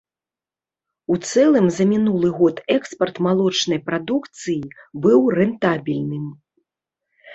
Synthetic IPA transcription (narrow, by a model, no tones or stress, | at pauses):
ut̪sɛlˠɨmzɐmʲinulˠɨɣɔt̪ɛkspɐrt̪malˠɔt͡ʂnɐjpɾad̪ukt̪sɨjibɨwrɛnt̪abʲilʲnɨm